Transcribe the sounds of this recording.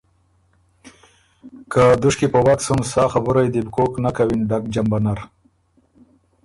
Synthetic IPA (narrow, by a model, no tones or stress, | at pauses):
kad̪ʊʂkipəwat̪sunsɑxabuɾajd̪ibkoknakawinɖakd͡ʒambanaɾ